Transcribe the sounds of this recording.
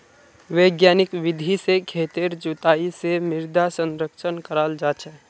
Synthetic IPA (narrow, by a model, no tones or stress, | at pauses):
ʋeːɡjaːnɪkʋɪd̪ʱisekʰeːt̪eɾd͡ʒʊt̪aːisemɪɾd̪ʱasə̃nɾəkʃənkəɾaːld͡ʒaːt͡ʃʰɛː